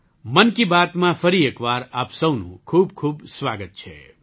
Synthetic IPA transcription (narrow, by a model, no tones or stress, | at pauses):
mənkibaːt̪mãpʰəɾieːkʋaːɾaːpsɐwnṵ̃kʰuːbkʰuːbsʋaːɡət̪̚t͡ʃʰɛ̰